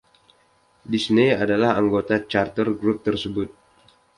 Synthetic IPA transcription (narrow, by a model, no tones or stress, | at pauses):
disniadalahaŋɡot̪at͡ʃart̪ərɡɾup̚t̪ərsəbʊt̪̚